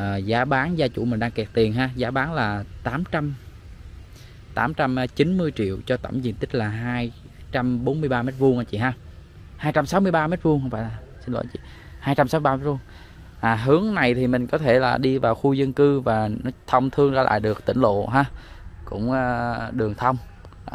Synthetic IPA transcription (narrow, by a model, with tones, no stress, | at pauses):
ʔəː˨˩zaː˨˦ɓaː˨˦nzaː˧t͡ɕṵ˧˩mï˨˩ŋ̟ɗaː˧ŋkɛ˨˩t̚t̪i˨˩ənɦaː˧zaː˨˦ɓaː˨˦nlaː˨˩t̪aː˨˦mt͡ɕa˧m | t̪aː˨˦mt͡ɕa˧mt͡ɕi˨˦nmɨ˧əjt͡ɕḭ˧˨əwt͡ɕɔ˧t̪ə̰˧˩mzḭ˨˩ənt̪i˦˥k̟̚laː˨˩ɦaː˧j | t͡ɕa˧mɓo˨˦nmɨ˧əjɓaː˧me˦˥t̚vu˧əŋʔaː˨˧˦t͡ɕḭ˧˨ɦaː˧ | haː˧jt͡ɕa˧msaː˨˦wmɨ˧əjɓaː˧me˦˥t̚vu˧ŋxə˧wŋ͡mfa̰ː˧˩laː˨˩ | si˧n̟lo̰˧˩t͡ɕḭ˧˨ | haː˧jt͡ɕa˧msaː˨˦mɨ˧˩ɓaː˧me˦˥vu˧ŋ | ʔaː˨˩ɦɨ˨˦əŋna˨˩jt̪ʰi˨˩mï˨˩ŋ̟kɔ˨˦t̪ʰe˧˩laː˨˩ɗi˧vaː˨˩wxu˧zə˧nkɨ˧vaː˨˩nɔ˨˦t̪ʰə˧wŋ͡mt̪ʰɨ˧əŋzaː˧lʔa̰ː˧˨jɗɨ˨˩ək̚t̪ï˧˩ŋ̟lo̰˧˨ɦaː˧kʊ̰˧˥ŋ͡mʔaː˧ɗɨ˨˩əŋt̪ʰə˧wŋ͡m